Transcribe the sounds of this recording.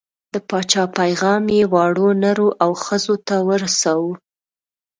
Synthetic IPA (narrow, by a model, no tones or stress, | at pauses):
d̪̥əpɑt͡ʃɑpajɣɑmjewɑɽonaɾuʔawxəzot̪awəɾasawu